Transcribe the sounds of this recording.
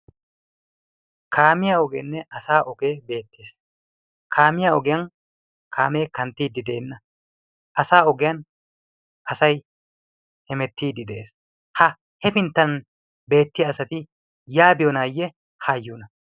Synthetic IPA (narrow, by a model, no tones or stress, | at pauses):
kʰaːmɪjaɔɡḛːnːɛʔɐsaːʔɔɡeːbe̞ːt̪ːeːs | kʰaːmɪjaɔɡɛjɐn | kʰa̰ːme̞ːkɐnt̪ːiːd̪ɪd̪eːnːɐ | ʔɐsaːɔɡɛjɐn | ʔɐsɐj | hɛmɛt̪ːiːd̪ɪd̪ɛeːs | hɐ | hɛfɪnt̪ːɐn | be̞ːt̪ːɪjɐːsɐt̪ɪ | jaːbɪjɔnaːjːɛ | hajːuːnɐ